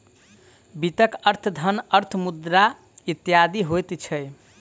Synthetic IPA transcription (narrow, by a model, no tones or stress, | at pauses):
bit̪əkəɾt̪ʰd̪ʱənəɾt̪ʰmud̪ɾa | it̪jad̪iɦojt̪t͡ʃʰəj